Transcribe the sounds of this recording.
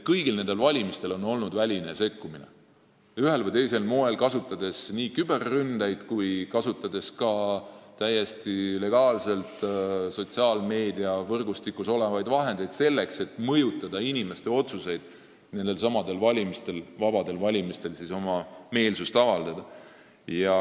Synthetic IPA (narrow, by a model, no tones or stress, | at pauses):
kɤjɡ̥ilne̞nd̪elvɑlʲimist̪e̞lo̞no̞lnud̪̥vælʲine̞se̞kːuminḛ | yɦe̞lvəjt̪e̞jse̞lmoe̞lkɑsut̪ːˑɑd̪̥e̞sniːkyb̥e̞rːynd̪̥ejd̪̥kujkɑsut̪ːˑɑd̪̥e̞skɑt̪æje̞st̪ile̞ɡ̥ɑːlse̞lt̪so̞t̪siɑːlme̞ːd̪iɑvɤrɡ̥ust̪ikːuso̞le̞vɑjd̪vɑɦe̞nd̪e̞jd̪̥se̞lːe̞kse̞t̪ːmɤjut̪ːˑɑd̪̥ɑinime̞st̪e̞o̞t̪suse̞jd̪̥ | ne̞nd̪̥e̞lsɑmɑd̪e̞lvɑlʲimist̪e̞lvɑbɑd̪̥e̞lvɑlʲimist̪e̞lsiso̞mɑme̞ːlsust̪ɑvɑld̪̥ɑd̪̥ɑ | jɑ